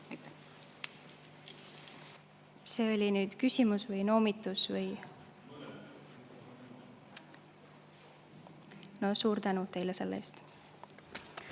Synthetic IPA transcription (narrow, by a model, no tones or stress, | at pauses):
se̞ːolʲinyːd̪̥kysʲimusvɤjno̞ːmit̪ːˑusvɯj | nosuːɾt̪ænut̪e̞jlese̞lːʔḛːst̪